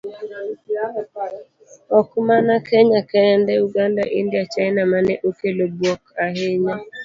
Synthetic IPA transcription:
ɔkʊmanakʰɛɲakɛɛndɛuɡandaʔindjat͡ʃaɪnamanɛʔokelobwɔkaɦɪɲa

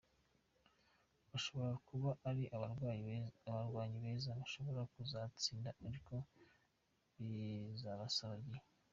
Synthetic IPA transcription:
βaʃo̞βo̞ɾakuβaʔaɾiʔ | aβaɾɡwaːɲiβe̞ːzaβaʃo̞βo̞ɾakuzat͡siːndaaɾiko̞ | βizaβasaβaɾɡ

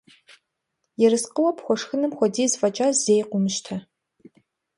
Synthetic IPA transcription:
jɛɾɨsqəwɐpxʷɔʂxɨnɨmxʷɔdiːzfɐt͡ʃʼaːzejqʷʊmɨʃtʰɐ

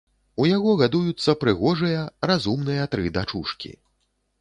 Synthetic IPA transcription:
ujaɣɔɣad̪ujut̪sːɐpɾɨɣɔʐɨjɐrazumnɨjɐt̪ɾɨd̪at͡ʂuʂkʲḭ

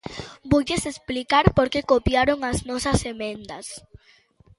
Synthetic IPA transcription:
boʎesesplikaɾpoɾkekopjaɾoŋaznɔsɐsemẽnd̪ɐs

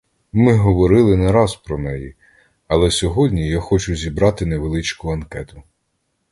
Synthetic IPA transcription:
mɪɦɔʋɔɾɪlˠɪnɐɾɑzpɾɔmɛji | ɐlˠɛsʲɔɦɔdʲnʲijaxɔt͡ʃʊzʲibɾɑt̪ɪneʋelˠɪt͡ʃkʊɐnkɛt̪ʊ

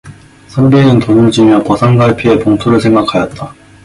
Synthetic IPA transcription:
sʰʌnɡinɯntonɯɭd͡ʑimjʌkʌsʰaŋɡaɭpʰie̞poŋtʰoɾɯɭsʰe̞ŋɡakʰajʌt̚t͈a

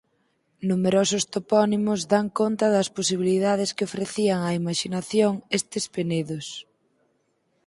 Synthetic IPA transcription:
numeɾosʊst̪opɔnimʊzðaŋkont̪ɐðɐsposiβ̞iliðað̞ɪskɪofɾeθiɐŋɐimaʃinaθjoŋest̪ɪspeneðos

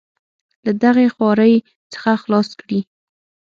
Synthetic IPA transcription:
lad̪aɣexwɑɾəj | t͡sə̥xaxlɑskɽi

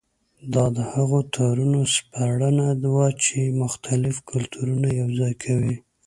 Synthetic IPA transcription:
d̪ɑd̪əhaɣot̪ʰaɾunospaɽənad̪wat͡ʃemʊxt̪ʰalɪfkʊlt̪ʰuɾunajawzɑjkʰawi

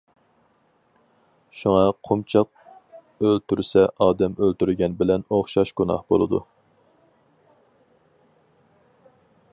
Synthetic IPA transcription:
ʃuŋɑqʰomt͡ʃʰɑq̚ | ølt̪ʰyɾsɛʔɑːd̪ɛmølt̪yɾɡʲɛnbɪlɛnoχʃɑʃɡ̥unɑ̰hbolˠɨd̪ṵ

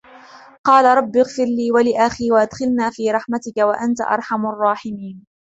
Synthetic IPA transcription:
qɑːlaɾˤɑbːɪɣfɪɾliːwalɪʔaxiːwaʔad̪xɪlnaːfiːɾˤɑħmat̪ɪkawaʔant̪a̰ʔɑ̰ɾˤħamrˤːɑːħɪmiːn

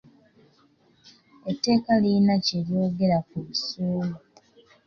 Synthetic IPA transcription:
etːe̞ːkalinaceljo̞ːɡe̞ɾakuβisuːlu

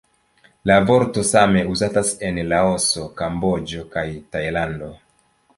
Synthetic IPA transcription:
lavo̞ɾto̞same̞uzatase̞nlao̞so̞kambo̞d͡ʒo̞kajtajlando̞

